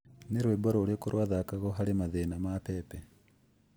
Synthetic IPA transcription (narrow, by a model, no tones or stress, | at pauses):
neɾweːboɾoːɾokoɾwaːðakaɣoɦaɾemaðenamapepe